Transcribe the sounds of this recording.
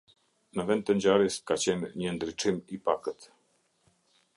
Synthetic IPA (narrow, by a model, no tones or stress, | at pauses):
nəvɛnd̪̚t̪əɲd͡ʑaɾiskat͡ɕɛnɲənd̪ɾit͡ʂimipakət̪